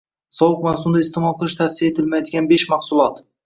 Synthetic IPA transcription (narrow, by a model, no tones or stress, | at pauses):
sɒwʊq̚mawsʊmd̪aɪst̪ɪmɒlˠqɨlˠɪʃt̪ʰafsijaet̪ʰɪlmajd̪ɪɡʲanbe̞ʃmaχsʊlˠɒt̪